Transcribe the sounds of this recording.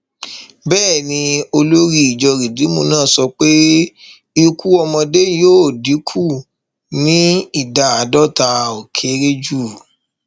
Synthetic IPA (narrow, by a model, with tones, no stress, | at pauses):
bɛː˦˨nĩ˧o˧lo˦ɾi˦i˨d͡ʒɔ˧ɾi˨di˨˦mo˧nãː˦˨sɔ˧k͡pe˦ | i˧ku˦ɔ˧mɔ̃˧de˦joː˦˨di˨˦kʰu˦˨ | nĩ˦i˦˨da˨a˨dɔ˦˨ta˧o˨kʰe˨˦ɾe˦d͡ʒu˦˨